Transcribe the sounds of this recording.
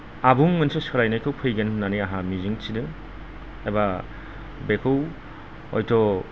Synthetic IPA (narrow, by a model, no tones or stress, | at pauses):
abuŋmɯnsɯsɔɾajnajkʰɯwpʰɯjɡenːaniaɦamiziŋsʰidɯ | eba | bekʰɯw | ɔ̰jtʰɔ